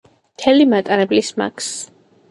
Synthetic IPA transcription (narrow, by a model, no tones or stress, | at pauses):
mt̪ʰɛlimat̪ʼaɾɛblisma̰kʰs